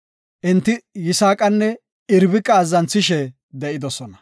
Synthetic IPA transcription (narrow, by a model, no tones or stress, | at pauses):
ʔɪnt̪ːɪjɪsaːkʼɐnːɛ | ɪɾbɪkʼːɐːzːɐnt͡sːɪʃɛ | d̪ɛʔɪd̪ɔsɔnɐ